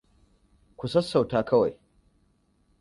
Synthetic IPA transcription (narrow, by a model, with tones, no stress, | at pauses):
kʷu˨sɐ˦sːa˨wtaː˦kɐ˦wa˨j